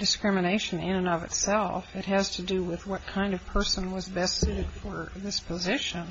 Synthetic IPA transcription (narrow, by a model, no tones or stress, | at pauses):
d̥ɨskɹɪ̃mɨneɪʃɨ̃nɪ̃nɨ̃nʌvɨ̰tsɛlˠfɨt̚ɦɨz̥tʰɨdɨwɪðwʌt̚kʰãɪ̃ndʌv̥pʰɜ˞sə̃nwʌzbɛstsʉɾɨd̥fə˞ðɪspʰəzɪʃɨ̃n